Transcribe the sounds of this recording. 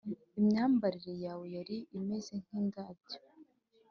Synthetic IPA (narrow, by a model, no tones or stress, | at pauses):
imɲaːmbaɾiɾe̞jaːwe̞jaɾiʔːme̞ze̞ŋ̥hiːŋɡaːbɟo̥